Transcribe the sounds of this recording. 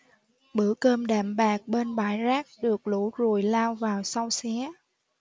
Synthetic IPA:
ɓɨ˧˥əkəː˧mɗaː˧˩mɓaː˨˩k̚ɓe˧nɓaː˧˩˦jzaː˦˥k̚ɗɨ˨˩ək̚lṵ˧˥zu˨˩əjlaː˧wvaː˨˩wsa˧wsɛ˨˦

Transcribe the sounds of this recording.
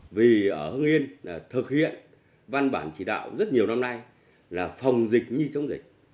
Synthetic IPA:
vi˨˩ʔəː˧˩hɨ˧ŋʔi˧ən˨˩t̪ʰɨ˨˩k̚hḭ˧˨ən | va˧nɓa̰ː˧˩nt͡ɕi˧˩ɗa̰ː˧˨wzə˦˥t̚ɲi˨˩əwna˧mna˧j | laː˨˩fa˨˩wŋ͡mzï˨˩k̟̚ɲi˧t͡ɕə˨˦wŋ͡mzï˨˩k̚

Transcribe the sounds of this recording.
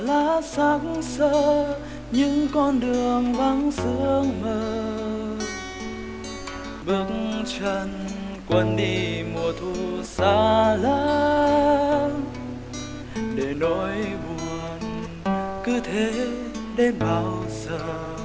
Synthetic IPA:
laː˧˦saː˨˧˦ŋsəː˧ | ɲɨ̰˧˥ŋkɔ˧nɗɨ˨˩əŋva˧˦ŋsɨ˧˦əəŋməː˧˨ | ɓɨ˨˧˦ək̚ŋt͡ɕə˧n | kwə˧˦nɗi˧mu˨˩ət̪ʰu˧˩saː˧˦laː˧˦ | ɗe˧˩no˨˦jɓu˨˩ən | kɨ˧˦t̪ʰe˧˦ | ɗe˧˩nɓaː˧˦wzəː˧˨

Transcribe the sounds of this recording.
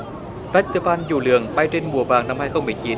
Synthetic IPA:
vaː˦˥t̪ɨ˧faː˧nzṵ˨˧˩lɨ̰˨˧˨əŋɓa˧jt͡ɕe˧nmu˨˩əva̰ː˧˨˩ŋna˧mhaː˧jxə˧wŋ͡mmɨ˨˩əjt͡ɕi˨˦n

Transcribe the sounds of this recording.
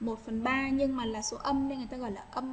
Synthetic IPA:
mo˨˩t̚fə˨˩nɓaː˧ɲɨ˧ŋmaː˨˩laː˨˩so˨˦ʔə˧mə˧˦jŋ˨˩jt̪aː˧ɣɔ̰˧˨jlaː˨˩ʔə˧m

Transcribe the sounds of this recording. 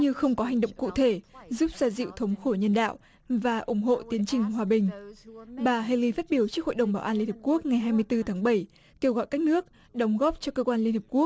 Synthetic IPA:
ɲɨ˧xə˧wŋ͡mkɔ˨˦ɦa˨˩jŋ̟ɗə̰˧˨wŋ͡mkṵ˧˨t̪ʰe˧˩zu˦˥p̚zaː˧zḭ˧˨wt̪ʰə˨˦wŋ͡mxo˧˩ɲə˧nɗa̰ː˧˨w | vaː˨˩ʔʊ˧˩ŋ͡mɦo̰˧˨t̪i˨˦ənt͡ɕï˨˩ŋ̟ɦwaː˨˩ɓï˨˩ŋ̟ɓaː˨˩ɦe˧li˧faː˦˥t̚ɓi˧˩əwt͡ɕɨ˦˥k̚ho̰˧˨jɗə˨˩ŋ͡mɓaː˧˩ʔaː˧nli˧ni˨˩p̚ku˦˥ək̚ŋa˨˩jɦaː˧jmɨ˧əjt̪ɨ˧t̪ʰaː˨˦ŋɓə˧˩j | ke˧wɣɔ̰˧˨jka˦˥k̚nɨ˦˥ək̚ | ɗə˨˦wŋ͡mɣɔ˦˥p̚t͡ɕɔ˧kəː˧kwaː˧nli˧ənhə˨˩pku˦˥ək̚

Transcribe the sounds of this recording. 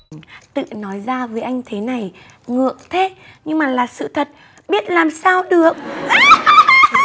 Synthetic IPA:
t̪ɨ̰˧˨nɔ˨˦jzaː˧vəː˨˦jʔa˧jŋ̟t̪ʰe˨˦na˨˩j | ŋɨ̰˧˨ək̚t̪ʰe˨˦ | ɲɨ˧ŋmaː˨˩laː˨˩sɨ̰˧˨t̪ʰə˨˩t̚ | ɓi˦˥ət̚laː˨˩msaː˧wɗɨ˨˩ək̚

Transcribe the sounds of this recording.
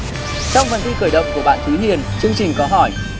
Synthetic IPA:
t͡ɕɔ˧wŋ͡mfə˨˩nt̪ʰi˧kɨː˧˩jɗə̰˧˨wŋ͡mku˧˩əɓa̰ː˧˨nt̪ʰɨ˨˦ɦi˨ənt͡ɕɨ˧əŋt͡ɕï˨˩ŋ̟kɔ˨˦ɦɔ˧˩j

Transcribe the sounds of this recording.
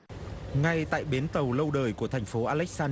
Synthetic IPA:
ŋa˧jt̪a̰ː˧˨jɓe˨˦nt̪ə˨˩wlə˧wɗəː˨˩jku˧˩ət̪ʰɛ˨˩jŋ̟fo˨˦ʔaː˧lɛ˦˥k̚saː˧n

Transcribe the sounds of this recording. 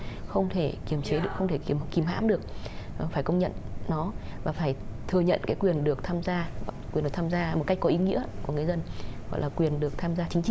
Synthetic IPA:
xə˧wŋ͡mt̪ʰe˧˩ki˧˩əmt͡ɕe˨˦ɗɨ˨˩əkxə˧wŋ͡mt̪ʰe˧˩˧mki˧˩mɦa̰ː˧˥mɗɨ˨˩ək̚faː˧˩jkə˧wŋ͡mɲə̰˧˨nnɔ˨˦vaː˨˩faː˧˩jt̪ʰɨ˨˩əɲə̰˧˨nkaː˨˦jkwi˨˩ənɗɨ˨˩ək̚t̪ʰaː˧mzaː˧˨kwi˨˩nɨ˨˩t̪ʰaː˧m˧zaː˧mo˨˩t̚ka˦˥kkɔ˨˦ʔi˨˦ŋḭ˧˥əku˧˩əŋɨ˨˩əjzə˧nɣɔ̰˧˨jlaː˨˩kwi˨˩ənɗɨ˨˩ək̚t̪ʰaː˧mzaː˧t͡ɕï˨˦ŋ̟t͡ɕi˧˨

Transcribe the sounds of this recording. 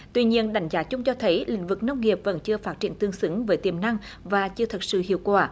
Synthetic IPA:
t̪wi˧ɲi˧ənɗa˨˦jŋ̟zaː˨˦t͡ɕʊ˧ŋ͡mt͡ɕɔ˧t̪ʰə˨˦jlï˧˨˩ŋ̟vɨ˨˩k̚nə˧wŋ͡mŋi˨˩əp̚və̰˧˥nt͡ɕɨ˧əfaː˦˥t̚t͡ɕi˧˩ənt̪ɨ˧əŋsɨ˨˦ŋvəː˨˦jt̪i˧˩əmna˧ŋ | vaː˨˩t͡ɕɨ˧ət̪ʰə˨˩t̚sɨ̰˧˨hḭ˧˨əwkwaː˧˩

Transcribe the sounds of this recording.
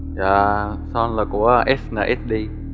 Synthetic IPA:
jaː˧˩sɔ˧nlaː˨˩ku˧˩əʔɛ˦˥snaː˨˩ʔɛ˦˥t̚ɗi˧

